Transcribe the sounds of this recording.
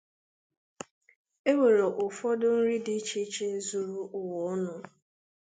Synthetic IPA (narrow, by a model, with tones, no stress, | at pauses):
e˦we˨ɾe˨ʔʊ˨fɔ˦dʊ˦n̩˦ɾi˦di˦t͡ʃe˦t͡ʃe˦zu˨ɾu˨ʔʊ˨wɔ˨˦nʊ˦